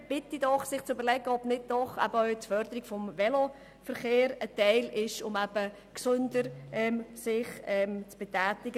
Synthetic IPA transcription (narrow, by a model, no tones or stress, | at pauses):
b̥ɪtidɔχsɪχt͡sybəɾlɛɡəɔb̥nɪd̚dɔχæ̰bəœʏtfœɾd̪əɾɪɡ̥fɔmvɛlo | fəɾχeːɾətɛɪlɪʃʊmæb̥ə | ksʉndəɾʔɛmsɪχɛmt͡sb̥etæːtɪɡə